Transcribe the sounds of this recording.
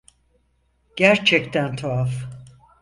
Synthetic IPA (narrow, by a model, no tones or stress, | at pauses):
ɟ̥æɾt͡ʃʰɛkt̪ʰænt̪ʰoaf